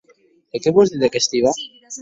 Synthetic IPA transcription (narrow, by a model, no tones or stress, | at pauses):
ekeβwozd̪iðekest̪iβa